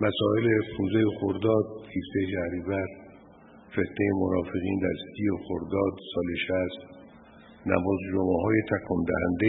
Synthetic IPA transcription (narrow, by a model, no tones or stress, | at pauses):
mæsɒːe̞lepʰunzejexoɾd̪ɒːd̪̚hift̪ejʃæhɾiːvæɾ | fe̞t̪ʰnejemonɒːfe̞ɣiːnd̪æɾsijexoɾd̪ɒːd̪sɒːleʃæst̪ | næ̰mɒːzd͡ʒomæɦɒːjet̪ʰækʰɔnd̪æ̰hænd̪e